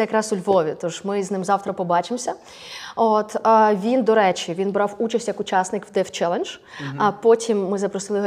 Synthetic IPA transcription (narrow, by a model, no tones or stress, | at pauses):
ɛjɐkɾɑsʊlʲʋɔʋʲit̪ɔʃmɪznɪmzɑwt̪ɾɐpɔbɑt͡ʃɪmsʲɐ | ot̪ʋʲind̪ɔɾɛt͡ʃʲiʋʲinbɾɑwut͡ʃɐsʲtʲjɐkʊt͡ʃɑsnɪkwd̪ɛft͡ʃɛlˠenʒ̥ | ɐpɔtʲʰimːɪzɐpɾɔsɪlˠɪ